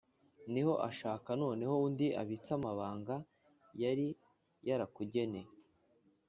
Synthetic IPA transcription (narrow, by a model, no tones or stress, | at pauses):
niho̞ʔaʃaːkano̞ːne̞ho̞undiʔa̰βit͡samaβaːŋɡa | jaɾi | jaɾakuɟe̞ne̞